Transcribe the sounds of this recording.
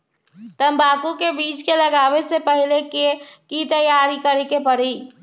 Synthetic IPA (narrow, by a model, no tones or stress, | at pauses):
t̪əmbakukebit͡ʃkeləɡaʋesepəɦilekekit̪əjaɾikəɾekepəɾi